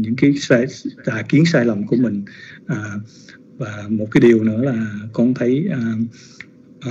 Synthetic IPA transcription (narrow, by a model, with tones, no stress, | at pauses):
ɲɨ̰˧˥ŋkaː˨˦jsaː˧jt̪aː˨˩jki˨˦ənsaː˧jlə˨˩wŋ͡mku˧˩əmï˨˩ŋ̟ʔaː˨˩ | vaː˨˩mo˨˩t̚kaː˨˦jɗi˨˩əwnɨ̰˧˥əlaː˨˩kɔ˧nt̪ʰə˨˦jʔaː˧˩